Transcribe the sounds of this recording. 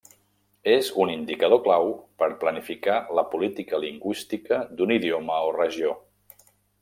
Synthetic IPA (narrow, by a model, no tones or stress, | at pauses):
ezunind̪ikəð̞oklawpəɾplənifikaləpulit̪ikəliŋɡwist̪ikəd̪uniðioməorəʒio